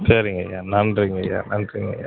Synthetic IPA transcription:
seːɾɯŋɡɐjaːnɐndɾɯŋɡɐja̰ːnɐnɾɯŋɡɐ̰ja̰

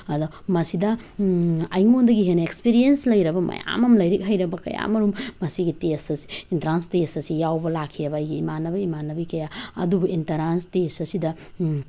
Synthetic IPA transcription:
ɐdɔ | mɐsidɐ | ɐjŋondɐɡiɦenɐek̚spiɾijenslɐjɾɐbɐmɐ̰ja̰mɐmlɐjɾik̚ɦɐjɾɐbɐkɐ̰ja̰mɐɾummːɐsiɡitesɐsi̥intɐɾanstesɐsijawbɐlakʰːijɐbɐːjɡiimanːɐbɐimanːɐbikɐjaɐ̰dubɐintɐɾanstesɐsidɐ

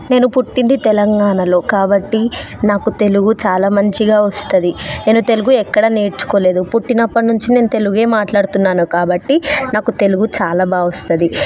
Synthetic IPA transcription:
ne̞ːnupuʈːind̪it̪ɛlɐŋɡaːɳɐlo̞ːkaːbɐʈːinaːkut̪e̞luɡut͡ʃaːlaːmɐɲt͡ʃiɡaːʋɐst̪ɐd̪ine̞ːnut̪e̞luɡuɛkːɐɽɐne̞ːɽt͡ʃu̥ko̞ːle̞ːd̪upuʈːinɐpːɐʈnuɲt͡ʃine̞ːnut̪e̞luɡe̞ːmaːʈlaːɽut̪unːaːnukaːbɐʈːinaːkut̪e̞luɡut͡ʃaːlaːbaːʋɐst̪ɐd̪i

